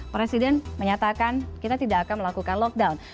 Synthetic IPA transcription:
pɾesidɛnməɲat̪akankit̪at̪idaːkanməlakukanlɔk̚dawn

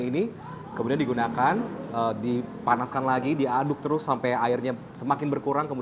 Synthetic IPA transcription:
ini | kəmudiandiɡunakanəːdipanaskanlaɡidiadʊk̚t̪əɾʊsːampɛjaɪrɲa | səmakɪnbərkuɾaŋkəmu

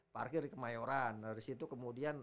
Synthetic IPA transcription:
pa̰rkɪrikəmajoɾandaɾisit̪ukəmudian

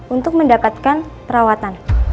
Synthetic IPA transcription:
unt̪ʊk̚məndapat̪̚kanpəɾawat̪an

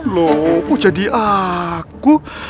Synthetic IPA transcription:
lopud͡ʒadiʔaku

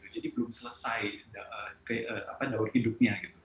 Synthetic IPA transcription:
t̪ud͡ʒadibəlʊmsələsajdaʔəkəʔəa̰padaʊr̚hidʊp̚ɲaɡit̪u

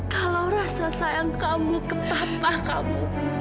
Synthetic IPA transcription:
kalawrasasajaŋkamukəpapahka̰mu

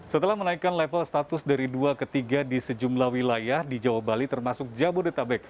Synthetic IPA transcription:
sət̪əlahmənaikanlɛfəlst̪at̪ʊsdaɾiduakət̪iɡadisəd͡ʒumlahwilajahdid͡ʒawabalit̪ərmasʊk̚d͡ʒabʊrdət̪abɛk̚

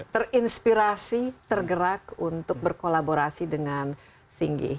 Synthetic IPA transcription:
t̪ərinspiɾasit̪ərɡəɾakunt̪ʊk̚bərkolaboɾasidəŋan | siŋɡḭ

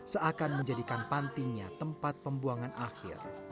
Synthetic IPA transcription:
səakanməɲd͡ʒadikanpant̪iɲat̪əmpat̪̚pəmbuaŋanʔahxɪ̰r

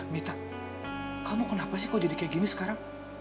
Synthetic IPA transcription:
mit̪a | kʰamokonapasikod̪id̪ikʲeɡʲinɯskaɾa

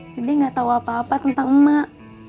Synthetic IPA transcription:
t̪idiŋɡat̪auapaːpat̪ənt̪aŋəma

